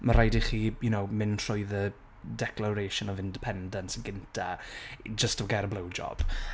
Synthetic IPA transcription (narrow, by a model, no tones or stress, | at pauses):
maɾajdiχiːjʊnowmɪnr̥ʰʊjðə | dɛklˠaɾejʃənɔvɪ̃ndɪpʰɛndənsəɡɪntʰad͡ʒəstəɡaɾəblˠəwd͡ʒɔ̰b̥